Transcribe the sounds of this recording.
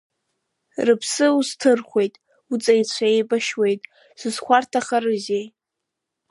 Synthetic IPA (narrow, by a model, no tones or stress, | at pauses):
rɨpʰsɨuztʰɨrχʷe̞jtʼ | ut͡sʼajt͡ɕʷʰaejbaʃwe̞jtʼ | sɨzχʷartʰaχarɨzej